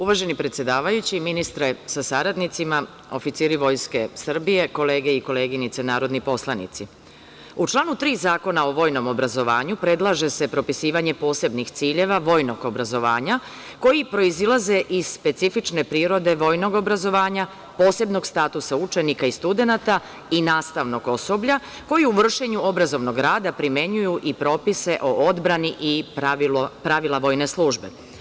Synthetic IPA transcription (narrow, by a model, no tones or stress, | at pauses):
uʋaːʒe̞nipɾe̞t̪sje̞d̪aːʋajut͡ɕiminist̪ɾesasaɾad̪nit̪sima | o̞̰fit̪siːɾiʋo̞jske̞sr̩bije̞ko̞leːɡe̞iko̞le̞ːɡinit̪senaːɾo̞d̪nipo̞slˠanḭt̪si | ut͡ʃlˠaːnut̪ɾiːzaːko̞naoʋo̞ːjno̞mo̞bɾazo̞ʋa̰ːɲupɾe̞d̪lˠaʒe̞se̞pɾo̞pisiːʋaɲe̞po̞ːse̞bnixt̪siːʎe̞ʋaʋo̞jno̞ɡo̞bɾazo̞ʋa̰ːɲa | ko̞jipɾo̞izilˠaze̞ʔiz̥spe̞t̪sifit͡ʃne̞pɾiːɾo̞d̪e̞ʋo̞ːjno̞ɡo̞bɾazo̞ʋaːɲa | po̞ːse̞bno̞ɡst̪aːt̪usaut͡ʃe̞nikaist̪ud̪e̞nat̪a | inaːst̪aʋno̞ɡo̞so̞bʎa | ko̞jiuʋr̩ʃe̞ɲuo̞bɾazo̞ʋno̞ɡɾaːd̪apɾimje̞ɲujuʔipɾo̞ːpise̞ʔo̞ʔo̞d̪bɾaniʔi | pɾaʋilˠaʋo̞ːjne̞slˠuːʒbe̞̰